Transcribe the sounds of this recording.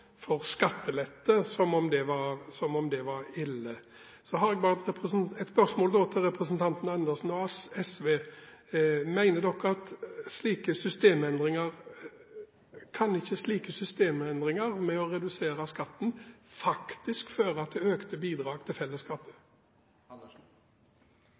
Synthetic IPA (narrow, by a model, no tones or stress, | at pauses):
fɔʁskɑt̪ʰːəlɛt̪ːəsɔmɔmd̪ɛʋɑɾsɔmɔmd̪ɛʋɑɾɪlːə | sɔɦɑɾɛɡ̚bɑːʁt̪ɾɛpəs̩ɛt̪spœʁsmoːld̪oːt̪ʰɪlʁɛpɾəsənt̪ʰɑnt̪n̩ɑnd̪əsn̩ɔɛsʋeː | mæɪnəd̪ɔkːɔɑt̪sliːkəsʏst̪eːmɛnd̪ʁɪŋəʁ | kʰɑnɪçːəsliːkəsʏst̪eːmɛnd̪ʁɪŋəɾmɛɔʁɛd̪ʉseːɾəskɑt̪ːn̩fɑkt̪ɪskføːɾəɑt̪̚d̪ɛøːkt̪əbiːd̪ɾɑːɡt̪ʰɪlfɛlːəskɑːpə̥